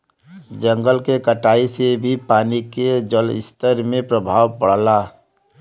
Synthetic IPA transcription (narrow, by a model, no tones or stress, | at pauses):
d͡ʒə̃ŋɡəlkekəʈaːisebʱipaːniked͡ʒəlɪ̰st̪əɾmẽpɾəbʱaːwpəɽ̤la